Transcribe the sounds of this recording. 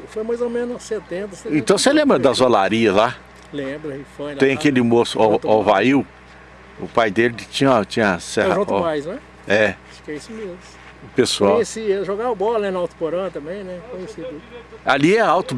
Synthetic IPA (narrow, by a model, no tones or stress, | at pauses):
fojmajzomẽnʊset̪ẽnt̪ɐseẽt̪ɐ̃w̃selẽbɾɐd̪ɐzalaɾiɐla | lẽbɾɐhifɐ̃t̪ẽj̃ɐkelɪmosʊɔvaiw | ʊ̰pajd̪elɪt͡ʃĩɲɐt͡ʃĩɲɐsɛʒũt̪ɔmajznw̃ɛ | ɛ | fi̥kɛisʊmezmʊ | pesuawɲesiʒoɡabɔlɐnɛ̃nɐawt̪u̥poɾɐ̃t̪ɐ̃mbẽj̃nɛkõɲesid̪ualiɛawt̪ʊ